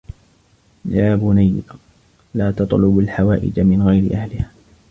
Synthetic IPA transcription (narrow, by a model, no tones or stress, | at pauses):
jaːbʊnaj | laːt̪ɑt̪ˤlʊbalħawaːʔɪ̰d͡ʒamɪnɣajɾɪ̰ʔahlɪhaː